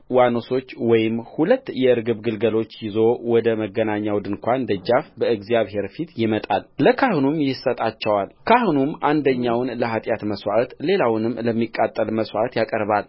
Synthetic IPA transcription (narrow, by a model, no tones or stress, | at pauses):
wanoso̞t͡ʃːwɔjɪmhulət̪ːjɛɨɾɡɨβɡɨlɡəlo̞t͡ʃːjɪzo̞wɔd̪əməɡːənaɲːawd̪ɨnkʷand̪əd͡ʒːafbəɨɡzijaβhe̞ɾfit̪jɪmət̪ʼalləkʰahnumjɪsət̪ʼat͡ʃːɛwalkʰahnumʔand̪əɲːawnləɦat̪ʼjat̪məswaʔat̪le̞lawnɨmləmːikʼːat̪ʼːəlməswʔat̪jakʼəɾβal